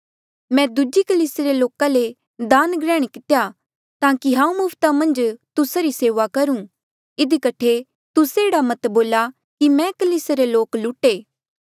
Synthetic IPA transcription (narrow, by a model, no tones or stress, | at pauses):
mɛ̃d̪ʊd͡ʒikɐliːseɾeloːkãle | d̪aːnɡɾɛːɽ̃ikɪt̪eja | t̪aːkiɦãːũmʊːpʰt̪amɐ̃nd͡ʒt̪ʊsaɾiseːʋakɐɾũ | ɪd̪ikɐʈʰe | t̪ʊseːɽamɐt̪boːla | kimɛ̃kɐliːseɾeloːklʊʈeː